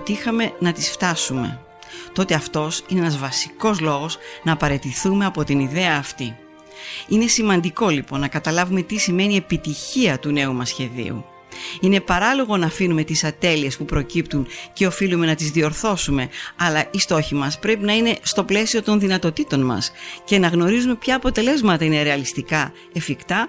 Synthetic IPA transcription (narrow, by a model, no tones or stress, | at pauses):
t̪iixɐme̞nɐt̪isft̪ɐsume̞̰ | t̪o̞t̪e̞ɐft̪o̞sineenɐzvɐsi̥ko̞zlo̞ɣo̞znɐːpɐɾe̞t̪iθume̞ɐpo̞t̪iniðe̞ɐːft̪i | ine̞simɐnd̪iko̞lipo̞nːɐkɐt̪ɐlɐvume̞t̪isime̞nie̞pit̪içiɐt̪une̞umɐsçe̞ðḭṵ | ine̞pɐɾɐlo̞ɣo̞nɐːfinume̞t̪isɐt̪e̞lie̞spupɾo̞cipt̪unce̞o̞filume̞nɐt̪izðio̞ɾθo̞sume̞ɐlɐist̪o̞çimɐspɾe̞pinɐine̞st̪o̞ple̞sio̞t̪o̞nðinɐt̪o̞t̪it̪o̞nmɐ̰sce̞nɐɣno̞ɾizume̞pçɐːpo̞t̪e̞le̞zmɐt̪ɐine̞ɾe̞ɐlist̪ikɐ | e̞fikt̪ɐ